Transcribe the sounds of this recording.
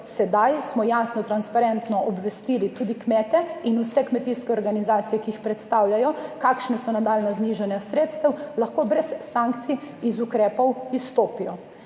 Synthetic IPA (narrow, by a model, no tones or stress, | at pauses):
sɛd̪ajsmɔjaːsnɔt̪ɾanspaɾɛnt̪nɔʔɔbʋɛst̪iːlit̪uːd̪ikmɛːt̪ɛinusɛkmɛt̪iskɛɔɾɡanizaːt̪sijɛkiixpɾɛt̪st̪awljajɔkaːkʃnɛsɔnad̪aːlnazniːʒanjasɾeːt̪st̪ɛwlɐxkoːbɾɛsːãŋk̚t̪siizukɾɛːpɔwist̪oːpijɔ